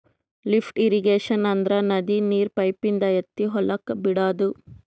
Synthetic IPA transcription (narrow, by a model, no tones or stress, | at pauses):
lipʰʈiɾiɡeːʂɐnɐnd̪ɾɐnɐd̪iniːɾpɐjpind̪ɐjet̪ːiɦɔlʔɐkːbiɽaːd̪u